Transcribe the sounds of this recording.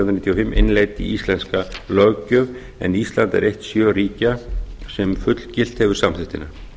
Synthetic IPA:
wnɾnit̪ʰːjɔfɪmːḛnleːjt̪ḭist̪lɛnskalœcœv | ɛ̰nist̪lant̪ɛ̰ɾejht̪sjœːɾiːcasɛmfʏt̪lcɪl̥t̪hɛvʏɾsamθɪht̪ɪna

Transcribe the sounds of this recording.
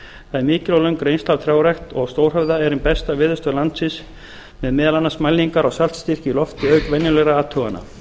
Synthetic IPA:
θaðɛɾmɪːcɪlawlœŋkɾejnst̪alt̪ʰɾjaːwɾɛxt̪ɔɣst̪owr̥œvðaɛɾɪmpɛst̪avɪːðʏst̪œlant̪sɪns | mɛðmɛːðalanasmajliŋkaɾawsal̥t̪st̪ir̥cɪlɔft̪ɪœɥkvɛnjʏlɛɾaaːt̪ʰuvana̰

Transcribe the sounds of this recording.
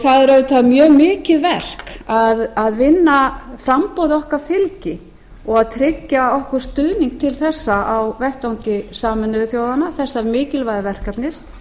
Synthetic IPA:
θaðɛɾœvʏt̪ʰaːðmjœːmɪːcɪðvɛr̥kaðaðvɪnːafɾampowðɔhkafɪlcɪ | ɔɣaðt̪ʰɾɪcːaɔhkʏɾ̥st̪ʏðniŋk̚t̪ʰɪlθɛsːaʔawvɛht̪awŋcɪsaːmɪnːʏθjowðanaθɛsːamɪːcɪlvajðavɛr̥kapnɪs

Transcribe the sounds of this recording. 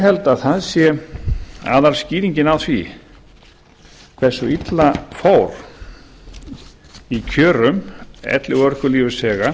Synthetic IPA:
ɦɛlt̪aðθaðsjɛ | a̰ðaɾ̥sciːðiɲcɪnawθvi | kʰvɛ̥sːʏit̪lafoːwɾ̥ | icʰœːɾʏmɛ̰t̪lɪɣœɾ̥kʏliːvʏsɛːɣa

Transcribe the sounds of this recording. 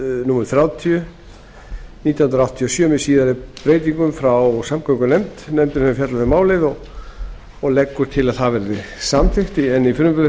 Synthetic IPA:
numɛɾʏ̥θɾjaːwt̪ʰiʏ | nit̪janhnɾaawht̪ʰiɔsjœːmɪsiːðaɾɪpɾeːjt̪iŋkʏmfɾawsamkʰɔŋkʏnejmt̪nɛmt̪ɪnhɛfjat̪laθɪɾmaːwleðɔ | ɔɣlɛkːʏɾ̥t̪ʰɪlaðɦavɛɾðɪsamt̪ʰɪxt̪ɪɛnifɪɾʏmpʏ

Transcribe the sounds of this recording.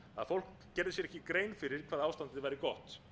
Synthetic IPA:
aðfowlk | cːɛɾðɪs̬jɛɾɛhcɪkɾeːjnfɪɾɪɾ̥kʰvaːðaːwst̪ant̪ɪvajɾɪkɔht̪

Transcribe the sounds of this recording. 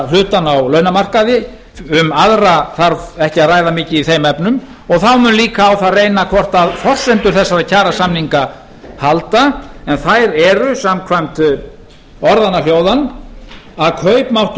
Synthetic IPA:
lʏːt̪anawlœɥnamar̥kaðɪ | ʏmaðɾaθaɾvɛhcɪaðraːjðamɪːcɪiθejmɛpnʏm | ɔɣθawmʏnliːkaːwθaðrejnakʰvɔr̥t̪aðfɔrsɛnt̪ʏɾ̥θɛsːaɾacʰaːɾasamniŋka | halt̪aɛnθajɾɛɾʏsamkʰvajm̥t̪ | ɔɾðanːaljoːwðan | aðkʰœɥpmawht̪

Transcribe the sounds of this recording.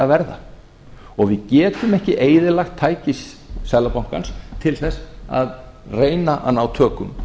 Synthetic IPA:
avɛɾða̰ | ɔɣvɪðcɛːt̪ʏmɛhcɪʔeːjðɪlaxt̪ʰːaːjcɪsː | ɛðlapawŋ̥ka̰nst̪ʰɪlθɛsːa̰ð | reːjnaʔa̰nawt̪ʰœːkʏ̰m

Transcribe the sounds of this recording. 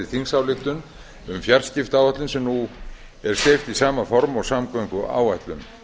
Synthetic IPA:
ɪ̥θiŋsawlɪxt̪ʏn | ʏmfjar̥scɪft̪aːwat̪lʏnsɛmnu | ɛɾ̥st̪ejft̪isaːmafɔɾmɔɣsamkœɥjŋkʏʔa̰ːwaht̪lʏ̰m

